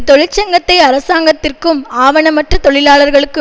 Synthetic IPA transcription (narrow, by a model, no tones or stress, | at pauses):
t̪ːɔɻɪt͡ʃːɐŋɡɐt̪ːɐɪɐɾɐsaːŋɡɐt̪ːɪrkɯmaːʋɐnɐmɐʈrɐt̪ɔɭɪlaːɭɐɾɣɐɭɯkːɯ